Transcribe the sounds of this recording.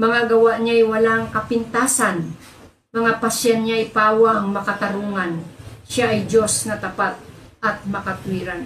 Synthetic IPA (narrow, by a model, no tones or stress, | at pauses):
mɐŋaɡɐwaʔɲajwɐlaŋkɐpɪnt̪aːsan | mɐŋapasjanɲaʔjpaːwaɐŋmɐkɐt̪ɐɾuːŋanʃaʔɐjd͡ʒosnɐt̪ɐpat̪̚ʔɐt̪̚mɐkat̪wiɾan